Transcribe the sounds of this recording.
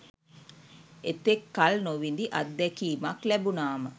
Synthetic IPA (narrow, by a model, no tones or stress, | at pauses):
et̪ekːalnoʋind̪iʔad̪ːɛkiːmaklɛbunaːmə